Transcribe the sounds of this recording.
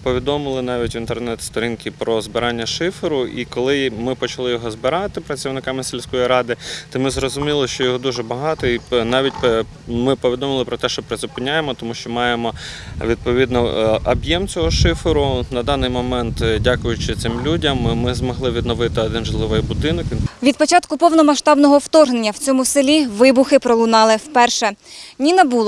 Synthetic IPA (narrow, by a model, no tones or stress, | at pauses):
pɔʋʲid̪ɔmɪlˠɪnɑʋʲitʲʋʲint̪ernɛt̪st̪ɔɾʲinkɪpɾɔzbɪɾɑnʲːɐʃɪfɪɾʊʔḭkɔlˠɪmɪpɔt͡ʃɐlˠɪjɔɦɔzbɪɾɑt̪ɪpɾɐt͡sʲiwnɪkɑmɪselʲsʲkɔjiɾɑd̪ɪt̪ɔmɪzrɔzʊmʲilˠɪʃt͡ʃɔjɔɦɔd̪uʒɛbɐɦɑt̪ɔinɑʋʲit̚ʲp | mɪpɔʋʲid̪ɔmɪlˠɪpɾɔt̪ɛʃt͡ʃɔpɾɪzʊpɪnʲːajemɔt̪ɔmuʃt͡ʃɔmɑjemɔʋʲid̪̚pɔʋʲid̪nɔɐbjɛmt͡sʲɔɦɔʃɪfɪɾʊnɐd̪ɑnɪjmɔmɛnt̪dʲakʊjʊt͡ʃɪt̪sɪmlʲudʲɐmːɪzmɔɦlˠɪʋʲid̪nɔʋɪt̪ɪɔd̪ɪnʒlˠɪʋɪjbʊd̪ɪnɔkʲʋʲid̪̚pɔt͡ʃɑt̪kʊpɔwnɔmɐʃt̪ɑbnɔɦɔwt̪ɔrɦnenʲːɐw̥t͡sʲɔmʊsɪlʲiʋɪbʊxɪpɾɔlˠʊnɑlˠɪwpɛrʃɛnʲinɐbulˠ